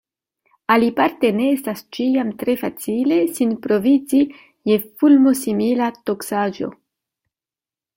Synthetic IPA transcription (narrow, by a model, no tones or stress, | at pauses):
alipaɾte̞ne̞estast͡ʃiamtɾe̞fat͡sile̞sinpɾo̞vid͡zi | je̞fulmo̞similato̞ksad͡ʒo̞̰